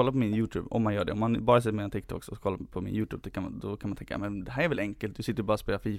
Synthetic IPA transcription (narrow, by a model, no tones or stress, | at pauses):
ɔlːaɾpɔmɪnjʉːt̪ʰʉ̰ːbɔ̰mːanjœːɖɛɔmːanbɑːɾəs̬ɪt̪ːɾmɛːnt̪ɪk̚t̪ʰɔ̰ksɔsɔkʰɔlːapʰɔmɪ̰njʉːt̪ʰʉːbd̪ɔkʰand̪ɔkʰanmant̪ɛŋkːa̰mɛnd̪ɛɦæːɾɛɾʋɛlɛŋkəlt̪̚d̪ɵsɪt̪ːəɾɔbɑːɾɔspeːlafiː